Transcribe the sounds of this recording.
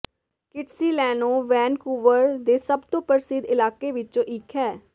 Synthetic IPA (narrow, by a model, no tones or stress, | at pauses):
kɪʈsiːlɛːnoːʋɛːnkuːʋəɾd̪eːsəbt̪õːpəɾsɪd̪ɪlaːkeːʋɪt͡ʃõːʔɪkʰːɛː